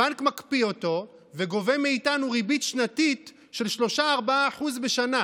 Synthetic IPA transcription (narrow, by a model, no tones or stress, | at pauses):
ankmakpio̞to̞ | veɡo̞ve̞meitanuʁibitʃnatit | ʃe̞lʃlo̞ʃaːʁbaaːħuzbeʃana